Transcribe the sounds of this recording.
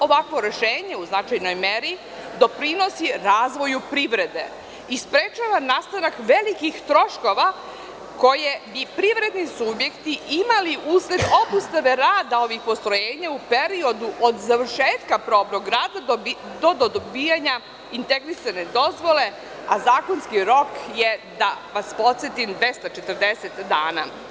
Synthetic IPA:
o̞ʋakʋo̞ɾe̞ʃeːɲe̞uznat͡ʃajno̞jme̞ɾi | d̪o̞pɾino̞siɾaːzʋo̞jupɾiʋɾe̞d̪e̞ | ispɾet͡ʃaʋanaːst̪anakʋe̞likixt̪ɾo̞ʃko̞ʋa | ko̞je̞bipɾiʋɾe̞d̪nisubje̞kt̪iimaliʔusle̞d̪o̞bust̪aʋe̞ɾaːd̪ao̞ʋixpo̞st̪ɾo̞jeːɲaupeɾio̞d̪uʔod̪zaʋɾʃeːt̪kapɾo̞ːbnoɡɾaːd̪ao | d̪od̪od̪obiːjaɲa | int̪e̞ɡɾisane̞d̪o̞zʋo̞le̞ | azaːko̞nskiɾo̞kjed̪aʋaspo̞t̪sjet̪imd̪ʋe̞st̪at͡ʃet̪ərd̪e̞set̪d̪aːna̰

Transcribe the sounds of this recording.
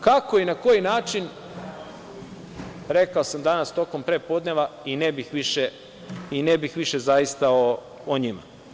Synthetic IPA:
kako̞inako̞jinaːt͡ʃin | ɾekaosamd̪anast̪o̞ko̞mpɾe̞ːpo̞ːd̪neʋainebixʋiʃe | inebixʋiʃe̞zajist̪ao | oɲima̰

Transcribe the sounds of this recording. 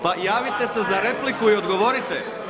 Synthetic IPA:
pajaːʋit̪e̞se̞zaɾe̞plikuio̞d̪ɡo̞ʋo̞ɾit̪e

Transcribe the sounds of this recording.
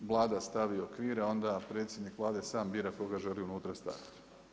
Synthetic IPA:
ʋlˠaːd̪ast̪aʋiokʋiːɾao̞nd̪apɾe̞t̪sʲjed̪nikʋlˠaːd̪esaːmbiɾako̞ɡaʒe̞liunuːt̪ɾast̪a̰ʋit̪

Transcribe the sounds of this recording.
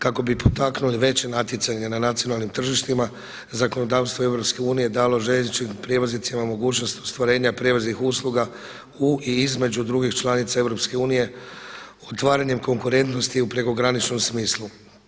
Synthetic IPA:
kako̞bipʰot̪aknuliʋe̞t͡ʃenat̪jet̪saɲenanat̪sionalnimt̪r̩ʒiʃt̪ima | zako̞no̞d̪aːʋst̪ʋo̞e̞ʋɾo̞pske̞uːnije̞d̪aːlo̞ʒet͡ʃimpɾje̞ʋozit̪simamo̞ɡuːt͡ʃnost̪ost̪ʋaɾe̞ːɲapɾje̞ʋoznixuslˠuɡa | uiizme̞d͡ʑud̪ɾuɡixt͡ʃlˠanit̪sae̞ʋɾo̞pske̞uːnije̞ | ot̪ʋaːɾaɲe̞mko̞ŋkuɾe̞nt̪no̞st̪iupɾe̞ko̞ɡɾanit͡ʃno̞msmiːslˠu

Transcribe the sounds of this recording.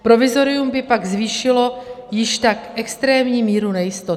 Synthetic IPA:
pɾo̞vɪzo̞ɾɪjumbɪpaɡzviːʃɪlo̞jɪʃt̪akʔɛkst̪ɾɛːmɲiːmiːɾunɛjɪst̪o

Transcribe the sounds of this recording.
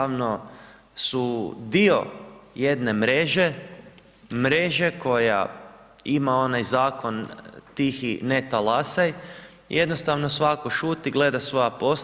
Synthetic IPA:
aʋno̞ | sud̪io̞̰je̞d̪ne̞mɾeʒe | mɾe̞ʒe̞kʰo̞ja̰ | imao̞najzaːko̞nt̪ixinet̪alˠasaj | jʔed̪nost̪aʋno̞sʋako̞ʃuːt̪iɡle̞d̪asʋo̞japo̞s

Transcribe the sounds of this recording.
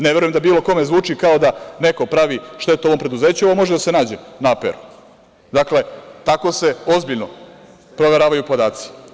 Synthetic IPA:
neʋe̞ɾujemd̪abiːlo̞ko̞me̞zʋuːt͡ʂikao̞d̪ane̞ko̞pɾaʋiʃt̪e̞t̪uo̞ʋo̞mpɾe̞d̪uze̞ːt͡ɕuoʋomo̞ʒed̪ase̞naːd͡ʑenaapḛɾu̥ | d̪akle̞t̪ako̞se̞o̞zbiʎno | pɾo̞ʋe̞ɾaːʋajupo̞d̪aːt̪si̥

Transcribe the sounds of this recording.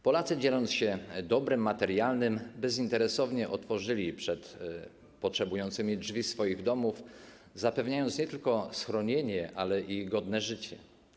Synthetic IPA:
pɔlat̪sɘd͡ʑelɔnt̪sɕɛd̪ɔbɾɘmːat̪ɛɾjalnɘmbɛzint̪ɛɾɛsɔvɲɛʔɔt̪fɔʐɘlʲipʂɛt̪ | pɔtʂɛbujɔnt̪sɘmʲidvʲisfɔjiɣd̪ɔmuf | zapɛvɲajɔnt̪sɲɛt̪ɘlkɔsxɾɔɲeɲɛʔalɛʔiɡɔd̪nɛʐɘt͡ɕɛ

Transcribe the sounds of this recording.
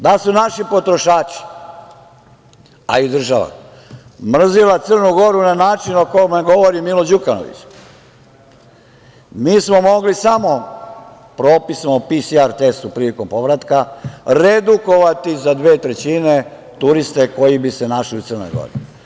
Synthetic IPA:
d̪asunaʃipo̞t̪ɾo̞ʃaːt͡ʃi̥ | a̰id̪r̩ʒaʋa̰ | mr̩zilat̪sərnuɡo̞ɾunanaːt͡ʃinokojomeɡo̞ʋoɾimilod͡ʑukano̰ʋḭt͡ʃ | miːsmo̞mo̞ɡlisamo̞ | pɾo̞ːpismoupisiaɾt̪est̪upɾiːliko̞mpo̞ʋɾat̪kaɾed̪uko̞ʋat̪izad̪ʋe̞ːt̪ɾe̞t͡ɕine | t̪uɾist̪e̞ko̞jibisenaʃliut̪ərno̰jɡo̰ɾi

